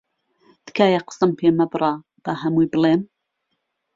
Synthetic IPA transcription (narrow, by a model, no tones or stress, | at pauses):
d̪̥ɨ̥kʰaːjaqə̥sɐmpʰeːmɐbɨɾˤɑ | b̥ɐɦɐmujbɨlˠeːm